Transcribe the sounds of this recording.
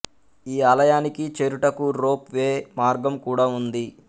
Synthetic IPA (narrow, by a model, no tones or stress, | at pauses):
iːaːlɐjaːnikit͡ʃeɾuʈɐkuɾoːpʋeːmaːɾɡɐmkuːɽaːund̪i